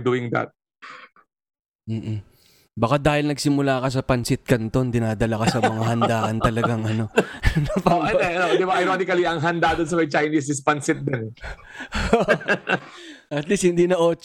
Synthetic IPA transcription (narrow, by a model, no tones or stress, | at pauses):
d̪uʔɪŋd̪a̰t̪̚ | m̩ːʔ | bɐkad̪aːhɪlnɐɡ̚sɪmʊlaːkɐs̬ɐpɐnsɪt̪̚kɐnt̪ond̪ɪnaːd̪ɐlɐkɐsɐmɐŋahɐnd̪aːʔɐnt̪ɐlɐɡaŋʔɐno̞nɐpaʔɛt̪ɛɐnod̪ɪbaʔɐjɾonɪkɐliɐŋɦɐnd̪ad̪ons̬ɐmɐjt͡ʃɐjnis̬ɪspɐnsɪt̪̚d̪ɛnoʔ | ʔɐt̪lishɪnd̪iːnɐʔo̞ːt͡ʃ